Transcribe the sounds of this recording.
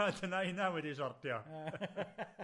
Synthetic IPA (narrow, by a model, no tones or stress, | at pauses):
adənaɪnawɛdiʃɔrtjɔ